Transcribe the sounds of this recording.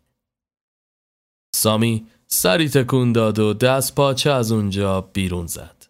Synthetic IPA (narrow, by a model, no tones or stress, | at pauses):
sɒːmiː | sæɾiːt̪ʰe̞kʰuːnd̪ɒːd̪o̞d̪æst̪pʰɒːt͡ʃʰeæzund͡ʒɒːb̥iːɾunz̥æ̰d̪̥